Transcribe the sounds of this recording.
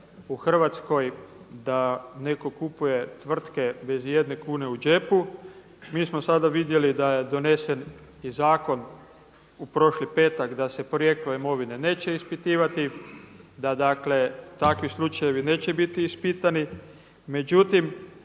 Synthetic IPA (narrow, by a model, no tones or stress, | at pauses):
uxr̩ʋat̪sko̞j | d̪ane̞ko̞kupuje̞t̪ʋr̩t̪ke̞be̞zje̞d̪ne̞kuːne̞ud͡ʒe̞pu | miːsmo̞sad̪aʋid̪je̞lid̪ajed̪o̞ne̞se̞nizaːko̞n | upɾo̞ʃlipe̞ːt̪akd̪asepɾoje̞k̚t̪loimo̞ʋine̞ne̞ːt͡ɕe̞ispit̪iːʋat̪i | d̪ad̪akle̞t̪akʋislˠut͡ʃaje̞ʋine̞ːt͡ɕe̞bit̪iːspit̪ani | me̞d͡ʒut̪im